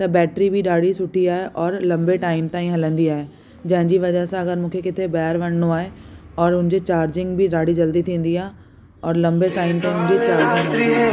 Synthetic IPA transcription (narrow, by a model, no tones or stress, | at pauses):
t̪ɐbɛːʈɾibɪɗaːɽisʊʈʰiaːɦeʔɔːɾlɐ̃mbeʈaːɪmt̪aːĩɦɐlə̃nd̪iaːɦe | d͡ʑɐ̃ɦɪ̃ɲd͡ʑiʋɐd͡ʑəɦsãɐɡəɾmũːkʰekɪt̪ʰebaːɾʋɐɽ̃noaːɦeɔːɾʊ̃nɪ̃ɲd͡ʑet͡ɕaːɾd͡ʑɪ̃ŋɡbɪɗaːɽid͡ʑɐld̪it̪ʰĩːn̆d̪iaːɦe | ɔːɾlɐ̃mbeʈaːɪmt̪aːĩmũɦd͡ʑet͡ɕaːɾd͡ʑãiaːɦ